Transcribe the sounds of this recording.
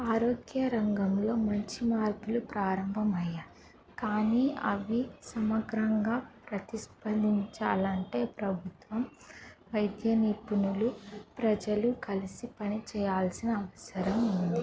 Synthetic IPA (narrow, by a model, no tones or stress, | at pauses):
aːɾo̞ːɡjɐɾɐŋɡɐmlo̞ːmɐɲt͡ʃimaːɾpulupɾaːɾɐmbʱɐmɐjːaː | kaːniːɐ̰ʋisɐmɐɡɾɐŋɡaːpɾɐt̪iʃpɐnd̪ʱiɲt͡ʃaːlɐɳʈe̞ːpɾɐbʱut̪ʋɐmʋɐjd̪jɐnipunulupɾɐd͡ʒɐlukɐlisipɐnit͡ʃɛːjaːlsinɐːʋɐsɐɾɐmund̪i